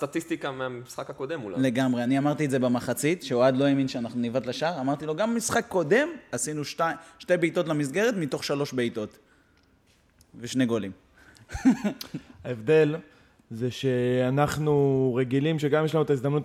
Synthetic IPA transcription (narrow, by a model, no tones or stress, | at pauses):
st̪at̪ist̪ikameamisχakhako̞d̪emulale̞ɡamʁeaniamaʁt̪ietzebemaχat͡sit̪ʃeoad̪lo̞eminʃeanaχnunivatlaʃaʁamaʁt̪ilo̞ɡammisχakːo̞d̪e̞masinuʃtaʃte̞jbeit̪o̞t̬lamis̬ɡe̞ʁet̪mit̪o̞χʃalo̞ʃbeit̪o̞t̪ | veʃne̞ɡo̞lim | aevd̪e̞l | zeʃe̞anaχnuʁeɡilimʃeɡamjeɛʃlanuet̪aizd̪amnut